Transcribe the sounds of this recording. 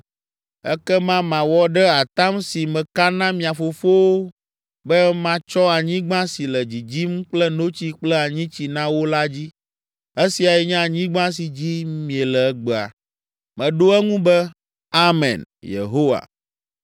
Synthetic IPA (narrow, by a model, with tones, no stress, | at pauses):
ɛ̰˦kɛ˦mã˦mã˨wɔ˦ɖɛ˦a˨t̪a˦msi˨mɛ̃˨ka˦nã˦mĩ˨a˨fo˨fo˦wo˦ | bɛ˦mã˦t͡ʃɔ˦a˨ɲĩ˦ɡ͡bã˦si˨lɛ˨d͡ʑi˨d͡ʑi˦m̩˦k͡plɛ˦no˦t͡ɕi˦k͡plɛ˦a˨ɲĩ˦t͡ɕi˨nã˦wo˦la˦d͡ʑi˦ | e˦si˨a˨jɛ˦ɲɛ̃˦a˨ɲĩ˦ɡ͡bã˦s̬i˨d͡ʑi˦mĩ˨ɛ˨lɛ˨ɛ˦ɡ͡bɛ˨a̰˨ | mɛ̃˨ɖo˦ɛ˦ŋũ˦bɛ˦ | a˦mɛ̰̃˨njḛ˨ɦo˦wa̰˨